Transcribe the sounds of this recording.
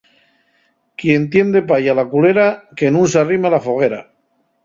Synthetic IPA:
kje̞nt̪je̞nd̪e̞pajalakule̞ɾake̞nũnsearimalafoɣ̞e̞ɾa

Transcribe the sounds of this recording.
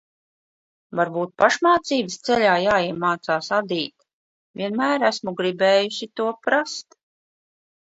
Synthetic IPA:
vaɾbuːt̪̚paʃmaːt̪siːbəst̪sɛʎʲaːjaːiɛmaːt̪saːsad̪iːt̪ | vʲiɛnmæːɾæsmuɡɾibɛːjuʃit̪uɔpɾast̪

